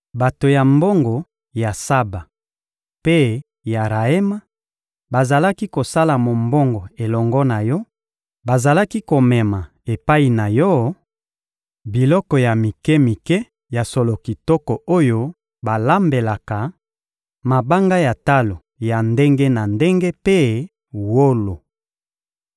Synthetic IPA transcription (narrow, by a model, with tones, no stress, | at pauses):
ba˨to˨ja˨mbo˦ŋɡo˨ | ja˨sa˦ba˨ | pe˦ | ja˨ʁa˨e˦ma˦ | ba˨za˨la˦ki˦ko˨sa˦la˨mo˨mbɔ˦ŋɡo˨e˨lɔ˨ŋɡɔ˦na˨jɔ˦ | ba˨za˨la˦ki˦ko˨mɛ˨ma˨ | e˨pa˦i˨na˨jɔ˦ | bi˨lɔ˦kɔ˨ja˨mi˨kɛ˦mi˨kɛ˦ | ja˨so˨lo˨ki˨tɔ˦kɔ˨o˦jo˦ | ba˨la˦mbe˨la˨ka˨ | ma˨ba˦ŋɡa˦ja˨ta˦lo˨ | ja˨nde˦ŋɡe˦na˨nde˦ŋɡe˦pe˦ | wo˦lo˨